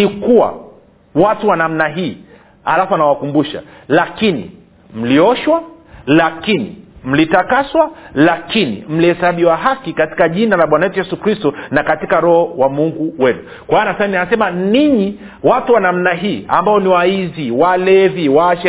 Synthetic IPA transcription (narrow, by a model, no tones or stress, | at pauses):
nikuwa̰ | watuwanam̩naɦiː | a̰lafuanawakumbuʃa̰lakinḭ | m̩liɔʃwa | lakinḭm̩litakaswalakinḭm̩liɛsaɓiwaɦakikati̥kaʄinalaɓwanajɛtujɛsukɾistɔnakatikaɾɔhɔwamuŋɡuwɛnu | kwanasanianasɛmaniɲi | watuwanam̩naɦiːa̰mbaɔniwaiziwalɛviwaʃɛ